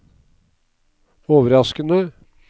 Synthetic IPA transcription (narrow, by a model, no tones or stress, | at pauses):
oːʋəɾɑskənə